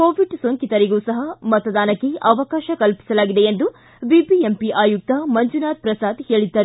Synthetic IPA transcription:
koːʋiɖsoŋkit̪ɐɾiɡuːsɐɦɐmɐt̪ɐd̪aːnɐkːeʔɐʋɐkaːʃɐkɐlpi̥sɐlaːɡid̪e̞end̪u | bibiempiʔaːjuk̚t̪ɐmɐɲd͡ʒunaːt̪̚pɾɐsaːd̪heːɭid̪ːɐɾ

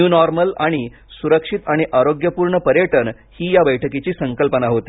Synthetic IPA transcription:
unɔɾməlaɽ̃i | suɾəkʂit̪aɽ̃iʔaɾoɡjəpuːɾɳəpəɾjəʈən | hiːjabəjʈʰəket͡ɕiːsəŋkəlpənaɦot̪i

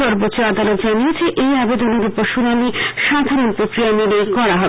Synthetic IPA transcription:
ɔɾbotːɕoad̪alot̪d͡ʑaniet͡ɕʰeʔejabed̪oneɾupoɾʃunaniʃad̪ʱaɾonpɾokɾijamelekɔɾaɦɔbe

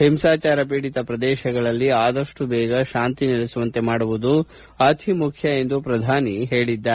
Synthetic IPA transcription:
hemsaːt͡ʃaːɾɐp̬iːɽit̪ɐpɾɐd̪ɛːʃɐɡɐɭɐlːiaːd̪ɐʂʈubɛːɡɐʃaːnt̪inilisuʋɐnt̪e̞maːɽuʋud̪u | ɐt̪ʰimukʰjɐe̞nd̪upɾɐd̪ʱaːniɦe̞ːɭid̪ːɐ

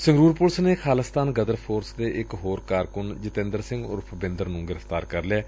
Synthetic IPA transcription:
sɪ̃ŋɡɾuːɾpʊlsneːxʰaːləst̪aːnɡəd̪əɾpʰoːɾsd̪eːʔɪkɦoːɾkaːɾkʊnd͡ʒət̪ẽːnd̪əɾsɪ̃ŋɡʊ̰ːɾpʰəbɪ̃nd̪əɾnũːɡɪɾəfʰt̪aːɾkəɾlɛː

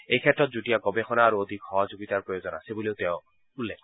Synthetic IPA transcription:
ejkʰɛtɹɔt̚zutijaɡɔbexɔnaːɹuod̪ʱikxɔɦɔzoɡit̪aɹpɹojozɔna̰sɛbuliʊtɛʊ̃ | ulːɛkʰ

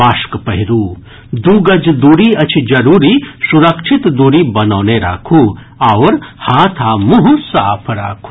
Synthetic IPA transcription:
aːʃkpɐɦɪɾuː | d̪uːɡɐd͡ʒd̪uːɾiɐt͡ʃʰid͡ʒɐɾuːɾisuɾəkʃʰɪt̪d̪uːɾibɐnoːneɾa̰ːkʰuː | ɐʋɾhaːt̪ʰaːmuɦusaːpʰɾaːkʰu̥

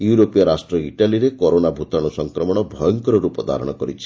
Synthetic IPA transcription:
juɾopijaɾasʈɾɔiʈaliɾekɔɾonabʱut̪aɽ̃usɔŋkɾɔmɔɽ̃ɔbʱɔjɔŋkɔɾɔɾupɔd̪a̰ɾɔ̰ɽ̃ɔkɔɾit͡ʃʰi̥

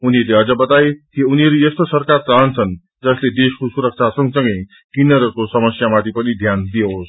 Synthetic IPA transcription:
uniɾleɦʌd͡zʌbʌt̪ajk̪iuniɦʌɾuest̪osʌrkart͡saɦnt͡sʰʌn | d͡zʌsled̪eskosuɾʌk̚t͡sʰasʌŋɡsʌ̃ŋɡʌj | kinʌɾʌkosʌmʌsjamat̪ʰipʌnid̪ʱjand̪ijeɦos

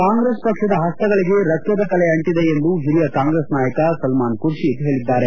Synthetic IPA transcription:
kaːŋɡɾeːspɐkʂɐd̪ɐɦɐst̪ɐɡɐɭiɡe̞ɾɐkjɐd̪ɐkɐlɛɐɳʈid̪eend̪uɦiɾijɐkaːŋɡɾesnaːjɐkɐsɐlmaːnkuɾʃit̪ɦe̞ːɭid̪ːaːɾe̞

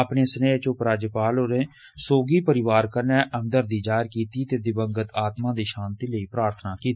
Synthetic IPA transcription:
apneːsəneːt͡ʃõpɾaːd͡ʒpaːloɾẽː | soːɡiːpəɾɪʋaːɾkəɾnɛːʔəmd̪əɾd̪iːd͡ʒaːɾkiːt̪iːt̪eːd̪ɪbəŋɡət̪aːt̪mãːd̪iːʃãːnt̪iːləiːpɾaːɾt̪ʰnaːkiːt̪iː

